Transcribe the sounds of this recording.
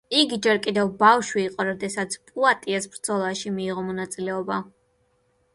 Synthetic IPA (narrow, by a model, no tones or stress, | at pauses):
iɡid͡ʒɛɾkʼid̪ɛvbafʃwiːqʼɔɾɔd̪ɛsat̪sʰpʼuat̪ʼiasbɾd̪z̥ɔlˠaʃimiːʁɔmɔnat̪sʼilɛɔba